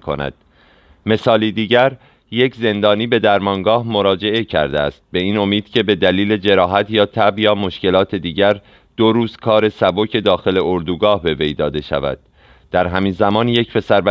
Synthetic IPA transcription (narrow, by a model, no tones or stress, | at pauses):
kʰo̰næ̰d̪̥̚ | me̞sɒːliːd̪iːɟæɾ | je̞cʰze̞nd̪ɒːniːbe̞d̪æɾmɒːŋɡɒːhmo̞ɾɒːd͡ʒe̞ʔe̞cʰæ̰ɾd̪eæst̪̚be̞iːno̞miːd̪̥cʰe̞be̞d̪æliːle̞d͡ʒe̞ɾɒːɦæt̪ʰjɒːt̪ʰæbjɒːmo̞ʃkce̞lɒːt̪ʰe̞d̪iːɟæɾ | d̪̥oɾuːzkʰɒːɾe̞sæbo̞cʰe̞d̪ɒːxe̞le̞oɾd̪uːɡɒːhbe̞ve̞jd̪ɒːd̪e̞ʃæ̰væ̰d̪̥̚ | d̪̥æɾɦæmiːnzæmɒːnje̞cpʰe̞sæɾbæ